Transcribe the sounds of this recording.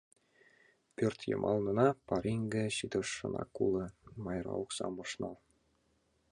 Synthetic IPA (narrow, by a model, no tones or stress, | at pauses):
pʲørt̪ʲjɤ̰mʔɑlˠnɤ̆nɑpɑɾʲiŋɡɘ̆ɕid̪ɤ̆ʂːɤ̆nɑ̰kulˠɤ̆mɑjrɑ̰uksɑ̰mɤ̆ʂnɑlˠ